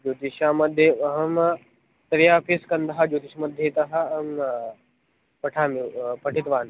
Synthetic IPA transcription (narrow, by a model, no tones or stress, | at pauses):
d͡ʒoːt̪iʃaːmɐd̪ʱjeɐɦɐm | t̪ɐɾijaːpʰiskɐnd̪ɐɦɐd͡ʒoːt̪iʃmɐd̪ʱjet̪ɐɦɐ̆ɐm | pɐʈʰaːmipɐʈʰit̪ʋaːn